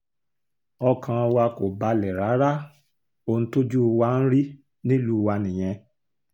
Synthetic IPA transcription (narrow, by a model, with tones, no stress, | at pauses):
ɔ˧kʰã˧wa˧ko˨ba˧lɛ˨ɾa˨˦ɾa˦ | o˧ñ̩˦to˦d͡ʒu˦˧wa˦n̩˦ɾi˦ | nĩ˦lu˦˧wa˧nĩ˨j̃ɛ̃˧